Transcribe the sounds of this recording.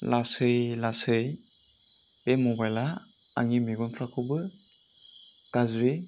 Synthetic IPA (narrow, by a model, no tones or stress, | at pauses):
lasɯjlasɯj | emɔbajla | a̰ŋimiɡɔnpʰɾakʰɯbɯ | kazɾi